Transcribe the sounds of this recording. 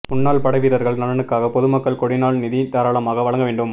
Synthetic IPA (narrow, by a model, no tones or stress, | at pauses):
mʊnːaːɭpɐɽɐɪʋiːɾɐɾɣɐɭnɐlɐnɯkːaːɣɐpɔðɯmɐkːɐɭkɔɽɪnaːɭnɪðit̪aːɾaːɭɐmaːɣɐʋɐɭɐŋɡɐʋeːɳɖɯm